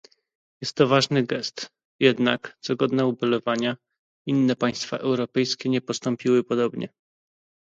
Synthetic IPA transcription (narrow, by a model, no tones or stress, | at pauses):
jɛst̪ːɔvaʐnɘɡɛst̪ | jɛd̪nakt̪sɔɡɔd̪nɛubɛlɔvaɲa | inːɛpaj̃st̪fa̰ʔɛwɾɔpɛjskʲɛɲɛpɔst̪ɔmpʲiwɘpɔd̪ɔbɲɛ̰